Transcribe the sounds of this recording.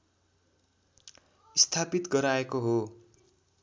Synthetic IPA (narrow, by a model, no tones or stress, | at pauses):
ist̪ʰapit̪ɡʌɾaekoɦo